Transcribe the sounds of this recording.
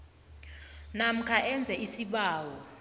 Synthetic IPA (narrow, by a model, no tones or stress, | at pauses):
nam̩kʰaʔɛnd͡zʱɛisiɓaːwɔ